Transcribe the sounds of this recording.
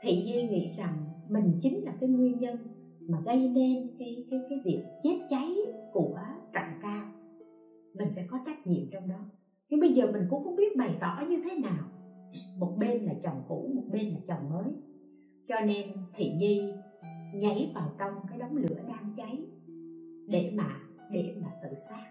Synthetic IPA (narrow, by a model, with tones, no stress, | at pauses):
t̪ʰḭ˧˨ɲi˧ŋḭ˧˥za˨˩ŋmï˨˩ŋ̟t͡ɕï˨˦ŋ̟laː˨˩kaː˨˦jŋwi˧ənɲə˧n | maː˨˩ɣə˧jne˧nkaː˨˦jkaː˨˦jkaː˨˦jvi˨˩ək̚t͡ɕe˦˥t̚t͡ɕa˨˦jku˧˩ət͡ɕa̰˧˨ŋkaː˧w | mï˨˩ŋ̟sɛ̰˧˥kɔ˨˦t͡ɕa˦˥k̚ɲḭ˧˨əmt͡ɕɔ˧wŋ͡mɗɔ˨˦ | ɲɨ˧ŋɓə˧jzəː˨˩mï˨˩ŋ̟kʊ̰˧˥ŋ͡mkʊ˧˥ŋ͡mɓi˦˥ət̚ɓa˨˩jt̪ɔ̰˧˩˨ɲɨ˧t̪ʰe˨˦naː˨˩wmo˨˩t̚ɓe˧nlaː˨˩t͡ɕɔ˨˩wŋ͡mkṵ˧˥mo˨˩t̚ɓe˧nlaː˨˩t͡ɕə˨˩wŋ͡mŋəː˨˦j | t͡ɕɔ˧ne˧nt̪ʰḭ˨˩˨ɲi˧ | ɲə˧˥jvaː˨˩wt͡ɕɔ˧wŋ͡mkaː˨˦jɗɔ˨˦wŋ͡mlɨ̰˧˥əɗaː˧ŋt͡ɕa˨˦j | ɗe˧˩maː˨˩ | ɗe˧˩maː˨˩t̪ɨ̰˧˨saː˦˥k̚